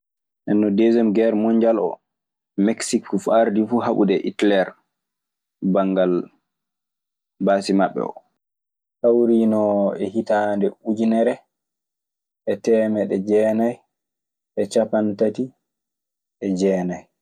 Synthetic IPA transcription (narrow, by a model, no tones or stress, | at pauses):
ʔɛnːɔdezɛmɡɛɾmɔɲd͡ʒalɔ̰ | mɛksikːufaɾdifuɦaɓṵdɛʔḭtlɛɾ | baŋɡal | basimaɓːɛ̰ɔ̰ | hawɾinɔɛhitandɛud͡ʒinɛɾɛ | ʔɛtɛːmɛɗɛd͡ʒɛːnaj | ʔɛt͡ʃapantati | ʔɛd͡ʒɛːnaj